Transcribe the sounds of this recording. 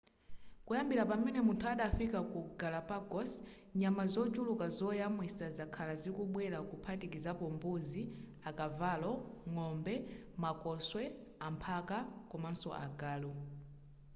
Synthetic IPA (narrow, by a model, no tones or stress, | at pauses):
kujambiɾapamɛnɛmuntʰuaɗafikakuɡalapaɡɔs | ɲamazɔd͡ʒulukazɔjamwisazakʰalazikuɓwɛɾakupʰatikizapɔmbuzi | akavalɔŋɔmbɛ | makɔswɛ | ampʰakakɔmansɔ̰ʔaɡaːlɔ